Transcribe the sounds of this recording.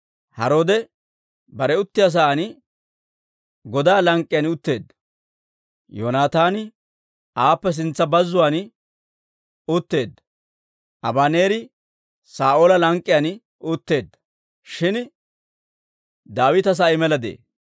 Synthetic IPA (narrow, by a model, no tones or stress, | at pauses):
hɐɾo̞ːd̪ɛ | bɐɾɛʊt̪ːɪjas̬aːn | ɡɔd̪aːlɐŋkʼːɪjɐnʊt̪ːe̞ːd̪ːɐ̥ | joːnaːt̪aːnɪ | aːpːɛs̬ɪnt͡sːɐbɐzːʊwaːn | ʊt̪ːe̞ːd̪ːɐ̥ | ʔɐbaːne̞ːɾɪ | saːʔoːlɐlɐŋkʼːɪjɐn | ʊt̪ːe̞ːd̪ːɐ̥ | ʃɪn | d̪aːwɪt̪ɐs̬aːjɪmɛlɐd̪ḛː